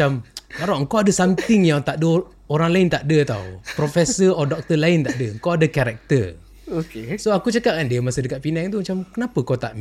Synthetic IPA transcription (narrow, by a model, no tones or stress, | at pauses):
ammaɾɔʔŋ̩kowadəsamt̪ɪŋjaŋt̪aʔdə | oɾaŋlaɪnt̪aʔdət̪a̰wpɾofɛsəɔdɔk̚t̪əlaɪnt̪aʔdəŋkawadəkaɾɛk̚t̪ər | okesoakut͡ʃakaʔ̚kandiəmasədəkat̪̚pinɛk̚t̪umat͡ʃamkənapəkot̪aʔm